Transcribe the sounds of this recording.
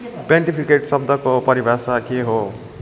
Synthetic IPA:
pjaɳʈipʰikeʈsʌb̚d̪ʱʌkopʌɾibʱasakeɦo

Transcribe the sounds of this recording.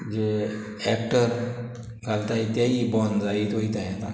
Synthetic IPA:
d͡ʑe | ɛk̚ʈəɾ | ɡʱalt̪aɦet̪jaɦibɔnd͡zait̪oit̪ajat̪a

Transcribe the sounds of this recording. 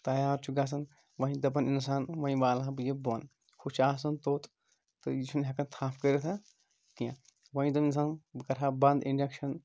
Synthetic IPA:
t̪ɐjaːɾt͡ʃʰuɡaːs̬ɐn | ʋɐ̃ɦĩd̪ɐbɐnins̬aːnʋɐ̃ɦĩʋaːlaɦbɨjebon | kʰut͡ʃaːs̬ɐnt̪oːt̪ | t̪ɨjit͡ʃʰunɦʲekɐnt̪ʰaːpʰkəɾet̪ʰa | k̪ijã | ʋɐ̃ɦĩd̪ɐmins̬aːnkɐɾʰaːbɐnd̪inɖekʃɐn

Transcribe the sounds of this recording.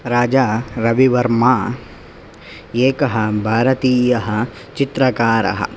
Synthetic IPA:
ɾaːd͡ʒaːɾɐʋiʋɐɾmaː | eːkɐɦɐ̆bʱaːɾɐt̪iːjɐɦɐ̆ | t͡ʃit̪ɾɐkaːɾɐ̰ɦɐ̰

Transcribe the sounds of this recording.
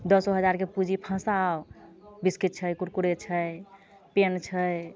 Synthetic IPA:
d̪əsɔɦəd͡ʒaɾkepud͡ʒipʰə̃sawbiskit̪̚t͡ʃʰəjkuɾkuɾet͡ʃʰəj | pent͡ʃʰəj

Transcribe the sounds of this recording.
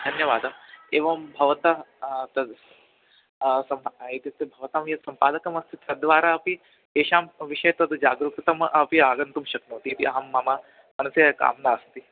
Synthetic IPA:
d̪ʱɐnjɐʋaːd̪ɐeːʋɐmbʱɐʋɐt̪ɐt̪ɐd̪ | sɐmet̪it̪ːɐbʱɐʋɐt̪amjɐt̪sɐmpaːd̪ɐkɐmɐst̪ʰit̪ɐd̪ʋaːɾaːɐpi | eːʃaːmʋiʃɐjɐt̪ɐd̪d͡ʒaːɡɾukɾit̪ɐmʔɐpiaːɡɐnt̪umʃɐknɐːt̪it̪iʔɐɦɐmːɐmaː | mɐnɐsjɐka̰ːmnaːɐst̪i

